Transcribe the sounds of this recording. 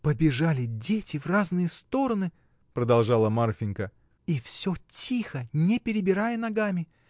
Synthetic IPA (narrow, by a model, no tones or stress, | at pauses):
pəbʲɪʐalʲɪdʲetʲɪvraznɨjəst̪o̞ɾənɨ | pɾəd̪ɐlˠʐɑlˠəmarfʲɪnʲkə | ifsʲɵtʲixənʲepʲɪɾʲɪbʲɪɾajənɐɡamʲɪ